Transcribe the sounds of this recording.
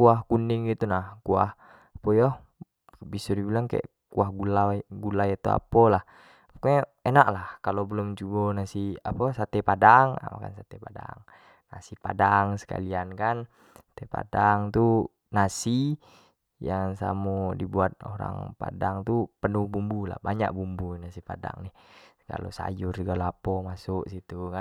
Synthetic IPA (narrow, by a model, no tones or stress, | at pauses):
kuahkundiŋɡit̪unahkua̰h | pɔjɔh | bisɔdibilaŋka̰ʔ | kuahɡulaɡulajat̪oa̰polah | ke | enaʔlahkalobəlumd͡ʒubɔnasiaposat̪ɛpadaŋa̰ma̰ka̰nsat̪ɛpada̰ŋ | nasipa̰daŋsə̥ka̰liankan | ḁt̪ɛpa̰daŋt̪u | nasi | jaŋsa̰mɔdibuat̪̚oɾa̰ŋpa̰daŋt̪upənubumbula̰hbaɲa̰k̚bumbunasipada̰ŋni | ka̰lo̰sa̰jursɡaloapomasuʔsit̪uka